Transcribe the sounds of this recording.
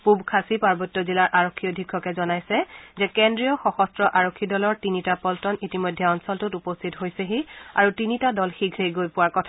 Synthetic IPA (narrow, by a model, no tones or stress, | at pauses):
pubkʰasipaɹbɔtːɔzilaɹʔaɹokʰːiɔdʱikʰːɔkɛzɔnajsɛzɛkɛndɹijɔxɔxɔstɹɔʔaɹokʰːidɔlɔɹtinitapɔltɔnitimojdʱːɛɔnsɔltutupɔstʰitɦojsɛxia̰ɹutinitadɔlxiɡʰʱejɡojpʊwaɹkɔtʰa